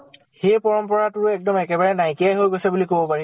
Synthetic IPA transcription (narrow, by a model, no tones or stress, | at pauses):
xejpɔɹɔmpɔɹatʊɹɛk̚dɔmɛkɛbaɹɛnajkijajɦojɡojsɛbulikobɔpaɹi